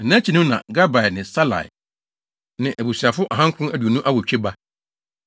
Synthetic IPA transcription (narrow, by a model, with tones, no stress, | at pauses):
ɛ˨nã˦t͡ɕʰi˨nũ˦nã̰˨ɡa˦ba˨ɛ˨nɪ̃˨sa˦la̰˨ɛ̰˨ | nɪ̃˨ʔæ˨bu˨si˨a˨fʊ˦ʔa˨ɦã˦ŋ˦kʰʊ̃˦æ˦du˨o˨nũ˦ʔa˦wɔ˨t͡ɕᶣe˦ba˦